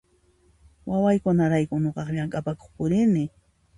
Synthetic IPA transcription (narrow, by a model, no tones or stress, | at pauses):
wawajkʊnaɾajkʊɲoqɑχʎaŋkʼapako̥χpʊɾɪɾnɪ